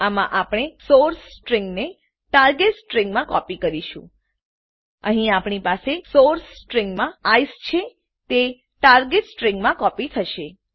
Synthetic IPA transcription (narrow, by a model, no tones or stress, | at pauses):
amã̰ʔapɽ̃esoɾsːʈɾiŋɡne | ʈaɾɡeʈsʈɾĩŋɡmãkɔpikəɾiʃũ | əɦĩapɳipasesoɾssʈɾiŋɡmãajst͡ʃʰe | t̪e | ʈaɾɡeʈsʈɾĩŋɡmãkɔpit̪ʰəʃe